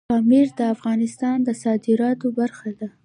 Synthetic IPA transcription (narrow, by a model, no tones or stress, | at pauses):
ɑmiɾd̪əafɣɑnɪst̪ɑnd̪əsɑd̪ɪɾɑt̪obaɾxad̪a